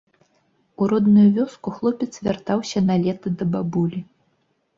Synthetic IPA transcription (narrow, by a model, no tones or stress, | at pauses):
uɾɔd̪nujuvʲɔskuxlˠɔpʲɛt̪svʲart̪awsʲɐnalʲɛt̪ɨd̪ɐbabulʲi